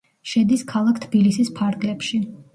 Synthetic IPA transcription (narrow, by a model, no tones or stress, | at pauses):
ʃɛd̪iskʰalˠakʰt̪ʰb̥ilisispʰaɾɡlɛpʃi